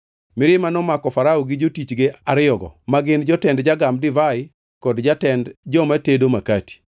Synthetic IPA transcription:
mɪɾɪmanɔmakɔfaɾaoɡɪd͡ʒotit͡ʃɡeaɾɪɔɡɔ̰maɡɪnd͡ʒɔtɛndd͡ʒaɡamdɪvaɪ | kɔdd͡ʒatɛndd͡ʒɔmatedomakati̥

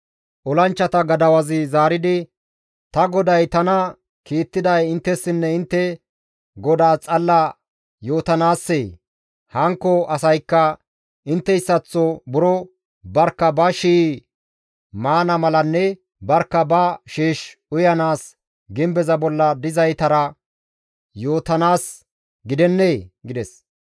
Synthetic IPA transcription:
ʔɔlɐnt͡ʃːɐt̪ɐɡɐd̪ɐwɐzɪzaːɾɪd̪ɪ | t̪ɐɡɔd̪ɐjt̪ɐnɐ | kiːt̪ːɪd̪ɐjɪnt̪ːɛsːɪnːɛɪnt̪ːɛ | ɡɔd̪aːt͡sʼɐlːɐ | jo̞ːt̪ɐnaːsːeː | hɐŋkːɔʔɐsɐjkːɐ | ʔɪnt̪ːɛɪsːɐt͡sːɔbʊɾɔ | bɐɾkːɐbɐʃiː | maːnɐmɐlɐnːɛ | bɐɾkːɐbɐʃiːʃʊjɐnaːs | ɡɪmbɛzɐbɔlːɐd̪ɪzɐjt̪ɐɾɐ | joːt̪ɐnaːs | ɡɪd̪ɛnːeːɡɪd̪ɛs

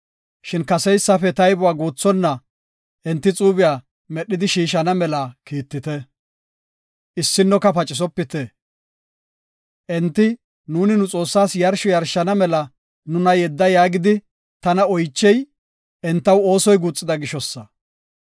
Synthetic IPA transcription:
ʃɪnkɐsɛjsːɐfɛt̪ɐjbʊwaːɡuːt͡sːɔnːɐ | ʔɛnt̪ːɪt͡sʼuːbɪjaː | mɛɗːɪd̪ɪʃiːʃɐnɐmɛlakiːt̪ːɪt̪ɛ | ʔɪsːɪnːɔkɐpɐt͡ʃʼːɪs̬ɔpːɪt̪ɛ | ʔɛnt̪ːɪ | nuːnɪnʊt͡sʼo̞ːsːaːsjɐɾʃɔjɐɾʃːɐnɐmɛlɐ | nʊnɐjɛd̪ːɐjaːɡɪd̪ɪ | t̪ɐnɐɔjt͡ʃːɛj | ʔɛnt̪ːɐwo̞ːsɔjɡuːt͡sʼːɪd̪ɐɡɪʃɔsːɐ

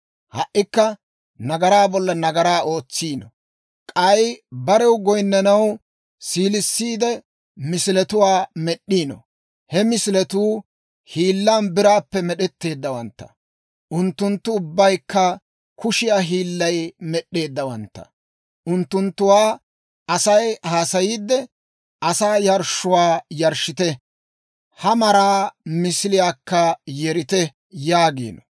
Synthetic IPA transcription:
hɐʔːɪkːɐ | nɐɡɐɾaːbɔlːɐnɐɡɐɾaːo̞ːt͡sːiːnɔ | kʼɐjbɐɾɛwɡɔjnːɐnɐw | siːlɪsːiːd̪ɛ | mɪsɪlɛt̪ʊwaːmɛɗːiːnɔ̰ | hɛmɪsɪlɛt̪uː | hiːlːaːnbɪɾaːpːɛmɛɗɛt̪ːe̞ːd̪ːɐwɐnt̪ːɐ̥̰ | ʔʊnt̪ːʊnt̪ːʊʊbːɐjkːɐ | kʊʃɪjaːɦiːlːɐjmɛɗːe̞ːd̪ːɐwɐnt̪ːɐ̰̥ | ʔʊnt̪ːʊnt̪ːʊwaː | ʔɐsɐjhaːsɐjiːd̪ːɛ | ʔɐsaːjɐɾʃʊwaːjɐɾʃɪt̪ɛ | hɐmɐɾaːmɪsɪlɪjaːkːɐjɛɾɪt̪ɛ | jaːɡḭːnɔ

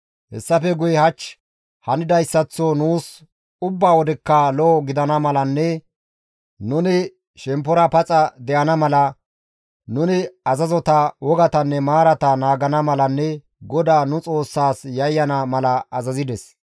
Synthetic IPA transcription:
hɛ̰sːɐfɛɡʊjhɐt͡ʃː | hɐnɪd̪ɐjsːɐt͡sːɔnuːs | ʊbːaːwɔd̪ɛkːalɔːɡɪd̪ɐnɐmɐlɐnːɛ | nʊnɪ | ʃɛmpɔɾɐpɐt͡sʼɐd̪ɛʔɐnɐmɐlɐ | nʊnɪɐzɐzɔt̪ɐwɔɡɐt̪ɐnːɛmaːɾɐt̪ɐnaːɡɐnɐmɐlɐnːɛ | ɡɔd̪aːnʊt͡sʼo̞ːsːaːsjɐjːɐnɐmɐlɐːzɐzɪd̪ɛs

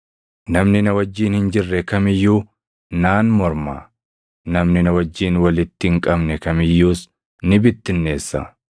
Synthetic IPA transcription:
nɐmnɪnɐwɐd͡ʒːiːnhɪnd͡ʒɪrːɛkɐmɪjːuː | naːnmɔɾma̰ː | nɐmnɪnɐwɐd͡ʒːiːnwɐlɪt̪ːɪŋkʼɐbnɛkɐmɪjːuːs | nɪbɪt̪ːɪnːe̞ːsːɐ̰

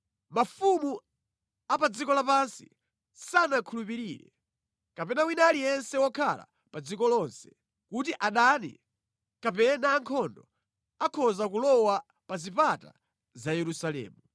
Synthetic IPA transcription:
mafumu | apad͡zikɔlapansḭ | sanakʰulupiɾiːɾɛ̰ | kapɛnawinalijɛnsɛwɔkʰa̰la̰ | pad͡zikɔlɔnsɛ̥ | kutiʔaɗanḭ | kapɛnaːŋkʰɔndɔ | akʰɔzakulɔwa | pazipata̰ | zajɛɾusalɛ̰ːmu

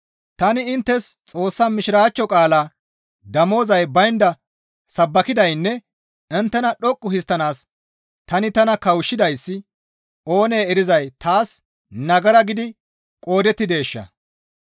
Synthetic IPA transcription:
t̪ɐnɪɪnt̪ːɛst͡sʼo̞ːsːamɪʃɪɾaːt͡ʃːɔkʼaːlaː | d̪ɐmo̞ːzɐjbɐjnd̪ɐ | sɐbːɐkɪd̪ɐjnːɛ | ɪnt̪ːɛnɐɗɔkʼːʊhɪst̪ːɐnaːs | t̪ɐnɪt̪ɐnɐkɐwʃːɪd̪ɐjsːɪ | o̞ːne̞ːɛɾɪzɐjt̪ʰaːs | nɐɡɐɾɐɡɪd̪ɪ | kʼo̞ːd̪ɛt̪ːɪd̪e̞ːʃːɐ̰

